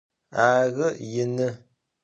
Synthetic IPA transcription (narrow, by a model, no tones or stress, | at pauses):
aɣəjənə